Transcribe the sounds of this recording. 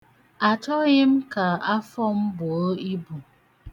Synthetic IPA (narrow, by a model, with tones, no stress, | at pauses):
a˨t͡ʃɔ˦ɣɪ˦m̩˦ka˨a˦fɔ˦m̩˦bʊ˨o˦i˦bu˨